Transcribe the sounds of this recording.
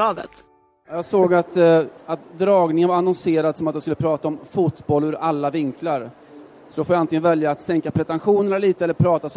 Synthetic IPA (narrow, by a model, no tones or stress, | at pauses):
ɑːd̪ə̰t̪ | jɑːɡsoːɡat̪at̪d̪ɾɑːɡnɪŋənvaɾanɔnseːɾad̪sɔmat̪̚jaskɵlːəpʰɾɑːt̪aɔmfʊt̪bɔlːʉɾalːavɪŋklaɾ | sɔd̪ɔfɔjaant̪ɪŋənvɛljaːt̪sɛŋkapʰɾɛt̪ɛnɧuːnəliːt̪əɛlːəɾpʰɾɑːt̪as